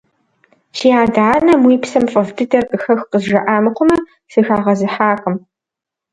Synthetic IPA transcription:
ʃijaːdaːnɐmwiːpsɐmfʼɐvdɨdɐrqɨxɐxqəzʒɐʔaːmɨqʷʰʊmɐ | sɨxaːʁɐzɨħaːqʼəm

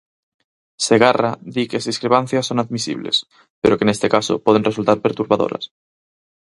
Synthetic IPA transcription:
seɣaraðikezðiskɾeβan̟θjasːonaðmisḭβlḛs | peɾokenest̪ekaso̰poð̞enresult̪aɾpeɾt̪uɾβaðo̰ɾa̰s

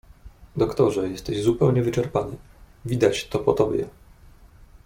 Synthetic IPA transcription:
d̪ɔkt̪ɔʐɛjɛst̪ɛʑzupɛwɲɛvɘt͡ʂɛɾpanɘ | vʲid̪at͡ɕt̪ɔpɔt̪ɔbʲjɛ̰

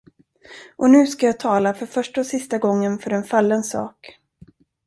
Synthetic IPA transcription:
ʔɔnʉ̟ːskajaːt̪ʰɑːlafœɾfœʂʈɔsɪst̪aɡɔŋːənfœɾɛnfalːənsɑ̰ːk

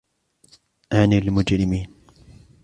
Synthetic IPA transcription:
ʔanilmʊd͡ʒɾɪmiːn

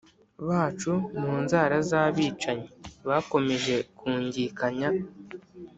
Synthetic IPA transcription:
βaːt͡ʃumuːnzaːɾazaβiːt͡ʃaɲeβako̞me̞ʒe̞kuːɲɟiːkaɲa

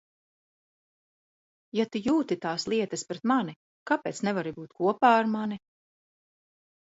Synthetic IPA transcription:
jat̪ujuːt̪it̪aːslˠiɛt̪ɐspɾɛt̪mani | kapeːt̪snɛvaɾibuːt̪̚kuɔpaːɾmani

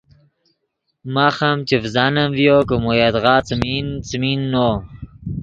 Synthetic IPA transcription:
maxamt͡ʃivzanamvjokəmojad̪ɣɑːt͡smint͡sminːo

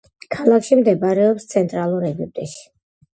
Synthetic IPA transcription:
kʰalˠakʃimd̪ɛbaɾɛɔpst̪sʰɛnt̪ʼɾalˠuɾɛɡip̚t̪ʼɛʃi̥

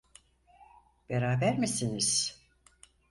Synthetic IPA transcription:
b̥eɾaːbæɾmisiniz̥

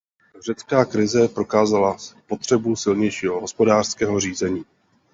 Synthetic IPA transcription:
r̝ɛt͡skaːkɾɪzɛpɾo̞kaːzalaspo̞t̪r̝̥ɛbusɪlɲɛjʃiːɦo̞ɦospo̞daːr̥skɛːɦo̞r̝iːzɛɲiː

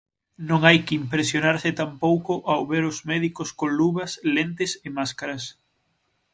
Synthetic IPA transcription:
nõŋajkimpɾesjonaɾsɪt̪ampowkʊʔawβeɾʊzmɛðikʊskoŋluβɐslent̪ɪsɪmaskaɾɐs

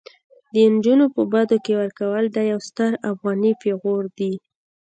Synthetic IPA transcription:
d̪ənd͡ʒunopəbɑd̪okewəɾkawəld̪ɑjawst̪əɾafɣɑnifeɣoɾd̪i

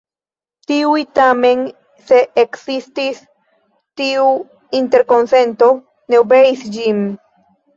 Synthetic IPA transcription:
t̪iwit̪ame̞n | se̞ʔːksist̪is | t̪iu | int̪e̞ɾko̞nse̞nt̪o̞ | ne̞obe̞isd͡ʒim

